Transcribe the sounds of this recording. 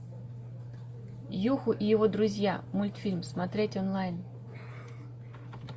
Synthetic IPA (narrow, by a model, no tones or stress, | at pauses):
juxʊʔijɔvɔd̪ɾʊzʲjamulʲt̪fʲilʲmsmat̪ɾʲetʲɔnlˠajn